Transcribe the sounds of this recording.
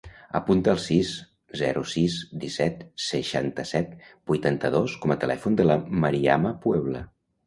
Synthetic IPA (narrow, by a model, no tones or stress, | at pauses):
ə̰punt̪əːlˠsiz | zɛɾusizd̪isɛt̪səʃant̪əsɛt̪b̥ujt̪ant̪əðoskɔmət̪əlɛ̰fund̪ələməɾia̰məpwɛβ̞lə